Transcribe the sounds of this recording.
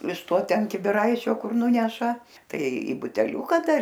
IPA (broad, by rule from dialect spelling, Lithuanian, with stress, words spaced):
ɪʃ ˈtoː ˈtʲɛn kʲɪbʲɪˈrɐɪt͡ʃʲoː ˈkʊr ˈnʊnʲɛʃɐ ˈtɐɪ iː bʊtʲɛˈlʲuːkɐ ˈdɐr